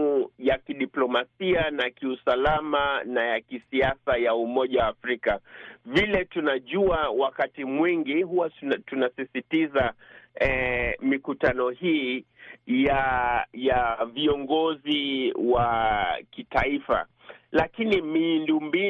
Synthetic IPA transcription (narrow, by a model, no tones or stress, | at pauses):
ujakiɗiplɔmasianakiusalamanajakisiasajaumɔʄawaːfɾikavilɛtunaʄuawakatimwiŋɡiɦuwatunasisitizaɛmikutanɔhiː | jajaviɔŋɡɔziwakitaifa̰ | lakinimindumbi